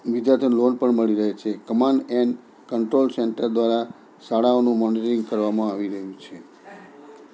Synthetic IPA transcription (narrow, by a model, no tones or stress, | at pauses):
ʋid͡ʒat̪ʰənlonpəɳməɭiɾəɦet͡ʃʰekəmaɳɖɛnɖ | kəɳʈɾolseɳʈəɾd̪ʋaɾa | saɽaonũmɔnitəɾĩŋɡkəɾʋamãaʋiɾəɦjũt͡ʃʰe